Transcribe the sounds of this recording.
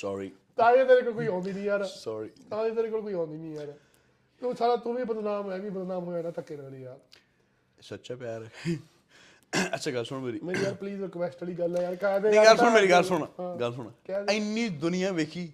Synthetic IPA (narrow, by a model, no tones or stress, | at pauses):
sɔːɾiːt̪ãːẽd̪eːɾeːkoːlk̬oiːɔ̃ːnd̪iːnĩːaɾsɔːɾiːt̪aːĩːd̪eːɾeːkoːlk̬oiːɔ̃ːnd̪iːnĩːɦəɾ | t̪uːsaːɽaːt̪ʊʋiːbəd̪naːmɛːʋiːbəd̪naːmɦoːaːnãːt̪əkːeːnəɽiːjaːɾ | sotːt͡ʃaːpɪjaːɾəkʰːi | ətːʃʰaːɡəlsʊɳ̃meːɾiːmeːɾiːjaːɾpliːzəkʋɛːsʈəɽiːɡəlɛːjaːɾkab̪eːɡəlsʊɳmeːɾiːɡəlsʊɳ̃aːɦãːɡəls̬ʊɽaːkɛːdɪnːĩːd̪ʊnɪjãːʋeːkʰiː